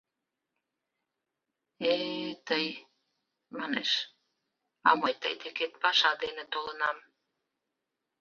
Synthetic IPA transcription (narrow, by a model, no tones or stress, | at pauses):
et̪əj | mɑnḛʃ | ɑmojt̪ə̰jt̪eket̪̚pɑʃɑd̪enĕt̪olənɑm